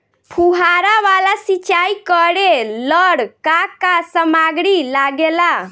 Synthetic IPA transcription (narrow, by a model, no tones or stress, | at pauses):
pʰuɦaɾaʋalasit͡ʃaikəɽeləɽkakasəmaɡɽilaɡela